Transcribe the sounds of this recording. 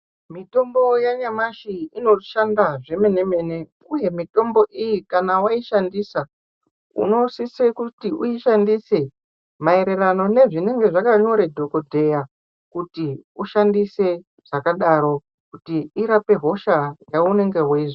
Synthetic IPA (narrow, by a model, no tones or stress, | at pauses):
mito̞mbo̞jaɲamaʃiino̞ʃandaʐe̞me̞ne̞me̞ne̞ | uje̞mito̞mbo̞ʔijikanawaiʃandisa | ṵno̞sisekutiʔuiʃandise̞ | mae̞ɾe̞rano̞ne̞ʐine̞ŋɡe̞ʐakaɲo̞ɾe̞dʱo̞ko̞dʱe̞ja | kutiuʃandise̞ | ʐ̥akaɗaɾo̞ | kutiiɾape̞ɦo̞ʃaŋɡaune̞ŋɡe̞ɦweiʐo